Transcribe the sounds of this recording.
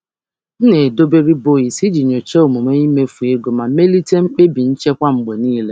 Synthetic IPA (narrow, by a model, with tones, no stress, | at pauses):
n̩˦ne˨do˦be˦ɾi˦bo˦˨i˨si˦d͡ʒi˨ɲo˨t͡ʃe˦o˨mu˨me˦i˦me˦fu˨e˦ɡo˨ma˨me˦li˦te˦ŋ͡m̩˦k͡pe˦bi˨n̩˦t͡ʃe˦kʷa˦ŋ͡m̩˨ɡ͡be˨niː˦le˦